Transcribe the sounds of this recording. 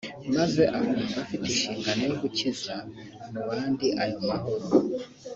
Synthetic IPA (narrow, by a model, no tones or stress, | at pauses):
mazeʔakumɡafitiʃiːŋɡaneβuciza | muβaːndiʔajomaɦoɾo